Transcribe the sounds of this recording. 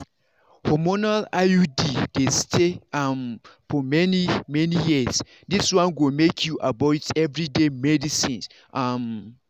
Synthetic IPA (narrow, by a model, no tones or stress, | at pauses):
hɔmonalajudid̥estʰeamfɔmɛnimɛnijis | diswãnɡomekʰjuʔabatɛvɹidemɛdisĩns | ʔam